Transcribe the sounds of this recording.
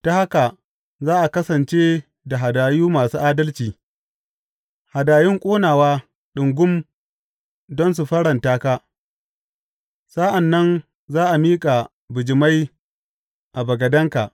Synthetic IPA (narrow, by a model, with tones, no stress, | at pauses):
ta˦ha˦ka˨ | zaː˦ʔa˨kɐ˦sɐ˨nt͡ʃe˦ | da˨ɦa˨daː˨juː˦maː˨suː˦ʔaː˦dɐ˦lt͡ʃiː˨ | ha˨daː˨jɪ˦ŋkʷʼoː˦naː˨waː˦ | ɗʊ˨ŋɡʷʊ˦m | dɔ˦ns̬u˨ɸɐ˦ɽɐ˨ntaː˦kaː˦ | sa˦ʔa˨nːɐ˦n | zaː˦ʔa˨miː˦kʼa˨ | bʊ˨d͡ʒɪ˨ma˦j | ʔa˨bɐ˨ɡɐ˨dɐ˦ŋka˨ʔ